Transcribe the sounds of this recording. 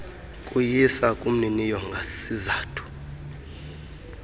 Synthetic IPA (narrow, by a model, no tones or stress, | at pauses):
kʼujisakʼum̩ninijɔŋɡʱasizaːtʰu̥